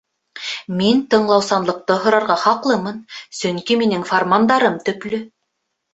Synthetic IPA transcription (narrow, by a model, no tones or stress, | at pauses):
mint̪ɤ̆ɴlˠɑwsɑnlˠɤ̆q̚t̪ɤɦŏɾɑɾʁɑχɑqlˠɤmɤnsɵŋkiminɘŋformand̪ɑɾɤmt̪ɵ̆klɵ